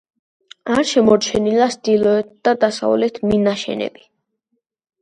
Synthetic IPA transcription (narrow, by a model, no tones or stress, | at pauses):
aɾʃɛmɔɾt͡ʃʰɛnilasd̪ilˠɔɛt̪̚ʰd̪̥ad̪asa̰vlɛt̪ʰminaʃɛ̰nɛ̰b̥i